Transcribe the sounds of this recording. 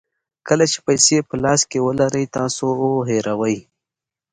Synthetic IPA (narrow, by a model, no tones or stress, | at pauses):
kəlat͡ʃe̥pajsepəlɑːskewəlaɾəjt̪ɑ̃ːsooɦeɾawəj